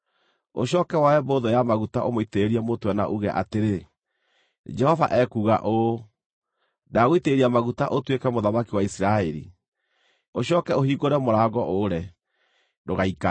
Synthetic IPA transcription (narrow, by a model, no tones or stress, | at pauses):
o̰ɕɔkɛwaɛmboðojamaɣutaʔomoiteeɾiɛmotwɛna̰ʔuɣɛʔa̰teɾe | d͡ʒɛhɔva̰ʔɛkuːɣa̰ʔo | daɣoiteːɾiamaɣutaʔotwekɛmoðamakiwaisiɾaɛɾḭ | oɕɔːkɛohiːɣoɾɛmoɾaɣɔʔoɾɛ | doɣaika